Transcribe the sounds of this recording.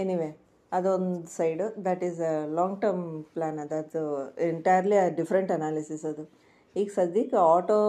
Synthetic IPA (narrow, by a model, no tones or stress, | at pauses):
eniʋeː | ɐd̪uond̪usɐjɖud̪ɐʈiːzlɔ̃ːŋɡʈɐɾmplaːnɐd̪ɐʈeɳʈɐjəɾliɐɖifɾeɳʈɐnaːlisisɐd̪u | iːɡsɐd̪ikaːʈoː